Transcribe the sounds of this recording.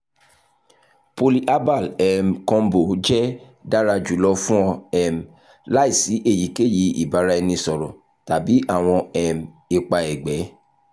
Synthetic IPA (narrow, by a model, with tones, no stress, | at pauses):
po˧li˦ʔa˦ba˦˨lɛ˨m˨kɔ̃˧m̩˦bo˨d͡ʒɛ˦ | da˦ɾa˧d͡ʒu˨˦lɔ˧fũ˦ɔ̃˧ɛ˦m˨ | la˦i˦˨si˨˦ʔe˦˨ji˨˦ke˦˨ji˨˧ḭ˨ba˨˦ɾa˦ɛ˧nĩ˧sɔ˨ɾɔ̃˨ | ta˨bi˨˦ʔa˦˨w̃ɔ̃˧ɛ˨m˨ | e˧k͡pa˧ɛ˨ɡ͡bɛ˨˦